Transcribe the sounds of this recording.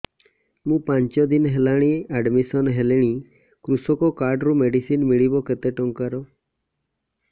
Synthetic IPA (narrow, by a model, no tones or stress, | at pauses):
mũːpãɲt͡ʃɔd̪inɦelaɽ̃iaɖmisɔnɦeleɽ̃i | kɾusɔkɔkaɾɖɾumeɖisinmiɭibɔket̪eʈɔŋkaɾɔ